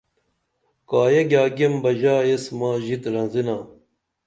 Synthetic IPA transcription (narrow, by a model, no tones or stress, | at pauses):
kaːjeɡʲaːɡembɐʑaːesmaːʑit̪ɾɐnzinaː